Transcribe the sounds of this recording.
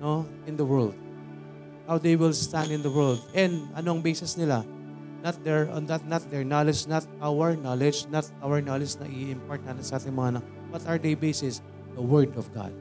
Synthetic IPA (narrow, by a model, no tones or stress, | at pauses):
no | ɪ̃nd̪ɐwɛld̪̚ | hawd̪ejwɪlst̪ãnd̪ɪ̃nd̪ɐwɛɹld̪ʔɛ̃nd̪ʔɐ̰noʔɐŋbeːsɛsnɪla | nat̪̚d̪ɛɹnd̪ɐt̪̚nɐt̪̚d̪ɛɹnalɛd͡ʒnɐt̪̚ʔawɛɹnalɛd͡ʒnɐt̪̚ʔawɛɹnalɪd͡ʒnɐ̰ʔɪɪmpoɹt̪̚anɪsɐʔaːt̪ɪŋmɐŋaɐnak̚ | b̥ɐt̪ɐɹd̪ejbesɪs | d̪ɐwɛɹd̪ɔfɡa̰d̪̚